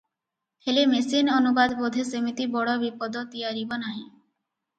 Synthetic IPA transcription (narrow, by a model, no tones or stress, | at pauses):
helemesinonubad̪bod̪ʱesemit̪ibɔɽɔbipɔd̪ɔt̪ijaɾibɔnaɦĩ